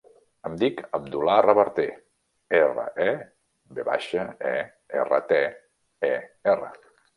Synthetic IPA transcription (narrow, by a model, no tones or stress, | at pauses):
əmd̪ikəb̚d̪ularəβəɾt̪e | erə̰ʔɛ | beβa̰ʃəɛ | erə̰t̪e | ɛerə̰